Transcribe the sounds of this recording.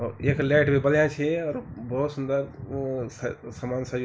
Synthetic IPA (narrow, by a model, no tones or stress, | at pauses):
ɔɾeːklɛʈbʱibəljãt͡ʃʰeɔːɾbɔɦut̪sund̪əɾssamansad͡ʒ